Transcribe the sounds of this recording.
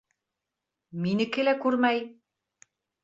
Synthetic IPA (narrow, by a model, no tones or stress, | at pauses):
minɘ̆kɘ̆lækʉɾmæj